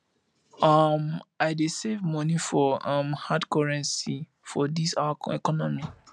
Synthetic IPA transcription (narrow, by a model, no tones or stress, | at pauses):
amaɪdesevmɔ̃nifɔʌ̃mhadkɔɹɛ̃nsi | fɔdisaɛ̰kɔnɔmi